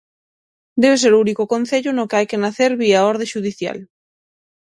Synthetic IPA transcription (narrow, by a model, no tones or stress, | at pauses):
d̪ɛβes̬eɾounikokon̟θeʎʊnʊkajkenaθeɾβiaoɾðeʃuðiθja̰l